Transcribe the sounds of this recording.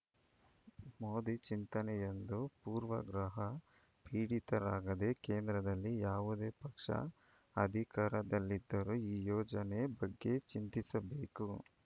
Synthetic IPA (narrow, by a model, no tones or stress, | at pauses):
moːd̪it͡ʃint̪ɐnɛjend̪upuːɾʋɐ̰ɡɾɐɦɐ | piːɽit̪ɐɾaːɡɐd̪e̞keːnd̪ɾɐd̪ɐlːijaːʋud̪e̞ːpɐkʂɐ̰ | ɐd̪ʱikaːɾɐd̪ɐlːid̪ːɐɾuiːjɔːd͡ʒɐnebɐɡːe̞t͡ʃint̪isɐbe̞ːku